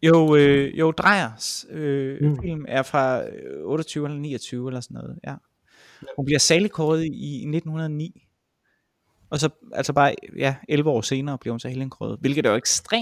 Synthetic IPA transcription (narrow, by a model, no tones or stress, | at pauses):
joʊøjoʊd̥ʁɑ̈ɪ̰ɐsøfil̰mæɐfʁɑ̈ɔ̽ːɾ̥ɐt͡sʰyːʊelɐnḭːɐt͡sʰyːʊelɐsɒnːɔ̽ːð̩ˠjæ | hunb̥liɐsæɐlikʰɒːð̞̩ˠiine̝d̥n̩hunɐð̞ˠɒnḭː | ʔɒ̽sɒ̽ʔælsɒb̥ɑ̈ːjæelʋəɒ̰ːse̝ːnɐːb̥liɐhunsɒhelenkʰɒːð̩ˠʋelɡ̥ð̩ˠd̥æeɡ̥sd̥ʁḛːm